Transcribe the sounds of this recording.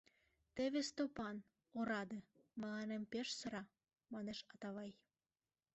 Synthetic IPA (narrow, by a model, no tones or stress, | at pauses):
t̪eβest̪opɑn | oɾɑd̪ĕmɑlɑnempeʃsɤ̆ɾɑ | mɑneʃɑt̪ɑβɑj